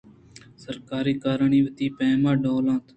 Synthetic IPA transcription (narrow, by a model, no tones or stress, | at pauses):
səɾkaːɾiːkaːɾaɳiːʋət̪iːpɛ̃ːmãːɖoːlãːt̪